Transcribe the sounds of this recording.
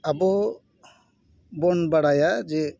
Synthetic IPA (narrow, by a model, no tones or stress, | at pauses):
abɔ | bɔnbaɽajad͡ʒɛ